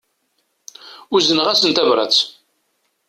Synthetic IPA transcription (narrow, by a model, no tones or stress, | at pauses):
ʊzənʁæsənt̪ævɾˤɑ̰t͡s